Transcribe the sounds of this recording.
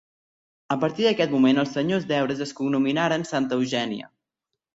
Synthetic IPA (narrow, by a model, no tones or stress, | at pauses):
əpəɾt̪iðəkɛt̪̚mumenəlˠsəɲozd̪ɛwɾəzəskuɡnuminaɾənsant̪əːwʒɛniə̰